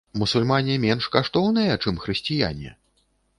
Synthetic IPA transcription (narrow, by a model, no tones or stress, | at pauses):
musulʲmanʲɛmʲɛnʂkaʂt̪ɔwnɨjɐt͡ʂɨmxɾɨsʲt͡sʲija̰nʲɛ̰